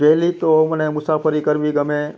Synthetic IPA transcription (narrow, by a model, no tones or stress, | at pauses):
pɛːlit̪omənẽmʊsaːpəɾikəɾʋiɡəmẽ